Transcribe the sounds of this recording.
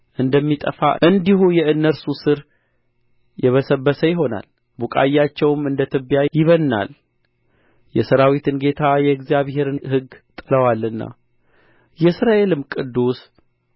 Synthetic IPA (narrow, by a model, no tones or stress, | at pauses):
ʔɨnd̪əmːit̪ʼə̰fa̰ʔɨnd̪ihujɛɨnːəɾsusɨɾ | jɛβəsəbːəsəjɪɦo̞na̰l | bukʼa̰jːat͡ʃːɛwmɨnd̪ət̪ʰɨbjajɪβənːa̰l | jɛsəɾawit̪ʰɨnɡe̞t̪ʰajɛɡzjaβɦe̞ɾɨnhɨɡt̪ʼɨləwalːɨnːa̰ | jɛsɾaʔe̞lɨmkʼɨd̪ːus